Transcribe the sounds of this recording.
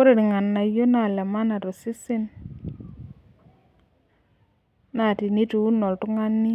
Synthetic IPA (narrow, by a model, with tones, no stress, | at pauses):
o˦ɾe˨ɾŋa˨nːa˨jo˦na˨lɛ˨ma˦na˨ɾo˨sɪ˦sɪ˦n | na˨ti˨ni˦tu˨u˦nɔ˨ltʊ˦ŋa˦nːi˦